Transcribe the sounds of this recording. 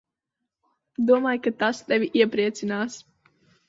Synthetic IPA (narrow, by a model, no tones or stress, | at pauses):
d̪uɔmaːjkat̪ast̪ɛvʲiʔiɛpɾiɛt̪sinaːs